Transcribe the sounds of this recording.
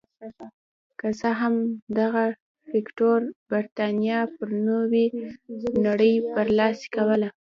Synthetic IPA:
kəzəɦamd̪aɣa | pɪkʈoɾbaɾt̪ɑnijɑpəɾnowe | naɽəjpəɾlɑse̥kawəla

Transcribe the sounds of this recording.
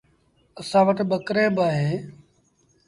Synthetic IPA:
əsãːʋəʈɓəkɾeːbaːɦeː

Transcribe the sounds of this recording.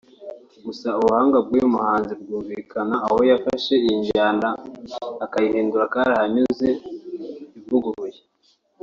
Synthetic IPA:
ɡusauβuhaːŋɡab̚ɡiumuhaːnzibɡuːɱviːkʰanaːho̞jafaʃe̞iɲɟaːndaː | kajihiːnduɾakaɾahaɲuze̞ | ivuɡuɾuje

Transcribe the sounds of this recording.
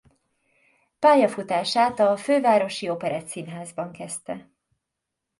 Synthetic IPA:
paːjɒfut̪aːʃaːt̪ɒføːvaːɾo̞ʃiopɛɾaːt̪sinɦaːzbɒŋkɛst̪ɛ

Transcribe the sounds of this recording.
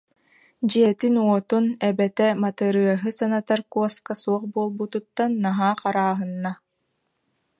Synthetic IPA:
d͡ʑiɛt̪inuɔt̪unɛbɛt̪ɛmat̪ɯɾɯɐɦɯsanat̪aɾkuɔskasuɔχbuɔlˠbut̪ut̪ːanːaɦaːqaɾaːɦɯnːa

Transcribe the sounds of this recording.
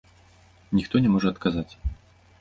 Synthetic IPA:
nʲixt̪ɔnʲɛmɔʐɛːt̪kazat͡sʲ

